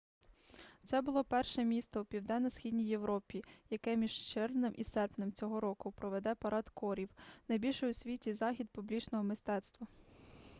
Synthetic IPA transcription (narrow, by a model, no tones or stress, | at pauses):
t̪sɛbʊlˠɔpɛrʃɛmʲist̪ɔupʲiwd̪ɛnɐsxʲidʲnʲijːewɾɔpʲijɐkɛmʲiʒt͡ʃɪrnɪmʔisɛrpnɪmt͡sʲɔɦɔɾɔkʊpɾɔʋed̪ɛpɐɾɑd̪kɔɾʲiwnɐjbʲilʲʃɛʊsʲʋʲitʲizɑxʲid̪̚pʊblʲit͡ʃnɔɦɔmɪst̪ɛt̪st̪ʋɐ